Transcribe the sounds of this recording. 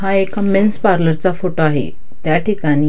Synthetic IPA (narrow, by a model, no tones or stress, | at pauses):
ɦaekamenspaɾləɾt͡safoʈoaɦḛ | t̪jaʈikaɽ̃i